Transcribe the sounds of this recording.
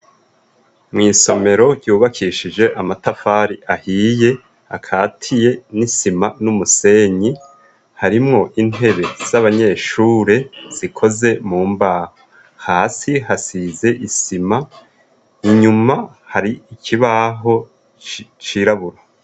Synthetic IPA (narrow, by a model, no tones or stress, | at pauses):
mŋiːso̞me̞ɾo̞ɟɟuːβakʰiʃid͡ʒe̞ʔamatafaːɾiʔahiːje̞ | a̰kʰaːtʰije̞nisimanumuse̞ɲi | haɾimŋo̞ʔin̥e̞βe̞z̥aβaɲe̞ːʃuːɾe̞z̥ikʰo̞ze̞muːmbaːho | haːsiɦasize̞ʔisima | iɲuma | haɾiikʰiβaɦo̞ | t͡ʃiɾaβuɾo